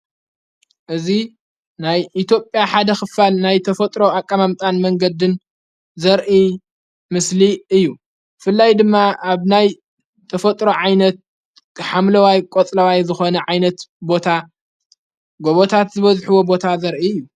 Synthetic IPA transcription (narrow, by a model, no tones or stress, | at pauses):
ʔɨzi | najʔit̪ʰjo̞pʼːjaħad̪ɐxɨfalnajt̪ʰɐfɐt̪ʼɾo̞akʼːamamt̪ʼanmɐŋɡɐd̪ɨn | zɐɾʔi | mɨsliɨjːu | bɨfɨlːajd̪ɨmːaaβnaj | t̪ʰɐfɐt̪ʼɾo̞ʕajnɐt̪̚ | ħamlɐwajkʼot͡sʼlɐwajzɨxo̞nɐʕajnɐt̪bo̞t̪ʰa | ɡo̞βot̪ʰat̪zɨβɐzħuwo̞bo̞t̪ʰazɐɾʔiɨjːu